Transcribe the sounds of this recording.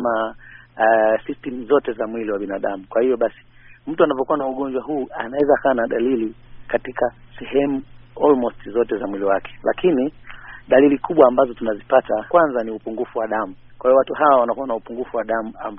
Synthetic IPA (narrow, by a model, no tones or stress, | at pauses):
ma | sistɛm̩zɔtɛzamwiliwaɓinaɗamukwahivɔɓasi̥ | m̩tuanavɔkuwanauɠɔɲd͡ʒwaɦuːa̰nawɛzaːkaːnaɗalilikatikasɛhɛmuɔlmɔstzɔtɛzamwiliwakʰɛ̥la̰kiniɗalilikʰuɓwaːmbazɔtunazipatakwanzaniupuŋɡufuwaɗamu | kwahiɔwatuhawawanakuwanaupuŋɡufuwaɗamua̰mb